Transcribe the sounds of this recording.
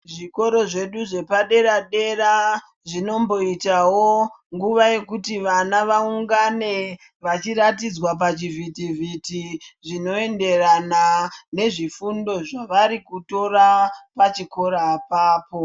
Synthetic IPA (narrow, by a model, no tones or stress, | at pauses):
ʐiko̞ɾo̞ʐe̞ɗuʐe̞paɗe̞ɾaɗe̞ɾa | ʐino̞mbo̞itawo | ŋɡuʋaje̞kutiʋanaʋauŋɡane̞ | ʋat͡ʃiɾatid͡zwap̬at͡ʃivʱitivʱitiʐino̞e̞nde̞ranane̞ʐifundo̞ʐaʋaɾikuto̞ɾapat͡ʃiko̞ɾaːpaːpo̞